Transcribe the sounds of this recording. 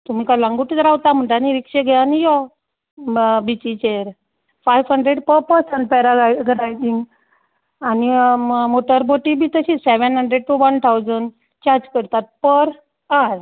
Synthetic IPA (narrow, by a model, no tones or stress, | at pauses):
t̪um̤iːkalãŋɡuʈit̪ɾawt̪am̤əɳʈaniɾikʂeɡʱɛanijɔ | bit͡ɕit͡ɕeəɾ | fajʋɦəɳɖɾeɽpəpəɾsəɳʈ̚pɛɾaɡaɡɾajd͡ʑiŋɡ | animoʈəɾboʈibʱiːt̪əɕiːseʋənɦəɳɖɾeɖ̚ʈuʋənt̪ʰawd͡zəɳɖ | t͡ɕaɾd͡ʑkəɾt̪at̪̚pəɾ | aɾ